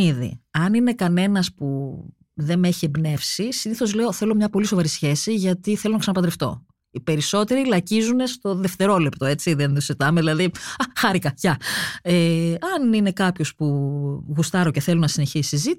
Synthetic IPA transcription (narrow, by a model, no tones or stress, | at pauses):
iðḭɐnine̞kɐne̞nɐspu | ðe̞me̞çiebne̞fsisiniθo̞zle̞o̞θe̞lo̞mɲɐpo̞liso̞vɐɾisçe̞siʝɐt̪iθe̞lo̞nɐksɐnɐpɐnd̪ɾeft̪o̞̰ | ipe̞ɾiso̞t̪e̞ɾilɐcizune̞st̪o̞ðe̞ft̪e̞ɾo̞lept̪o̞e̞t͡siðenðoset̪ɐmeðilɐðiɐxɐɾikɐʝɐeɐnine̞kɐpço̞spuɣust̪ɐɾo̞ce̞θe̞lunɐsine̞çisizit̪